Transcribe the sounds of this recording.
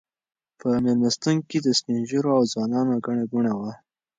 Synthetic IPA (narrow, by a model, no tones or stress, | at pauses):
pəmelmast̪uŋked̪əspinʒiɾoawzwɑnɑnoɡaɳaɡuɳawa